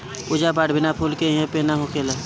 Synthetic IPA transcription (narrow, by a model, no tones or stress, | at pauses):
ʊd͡ʒabaɽbʱɪnapʰulkeiɦẽpenaɦokelə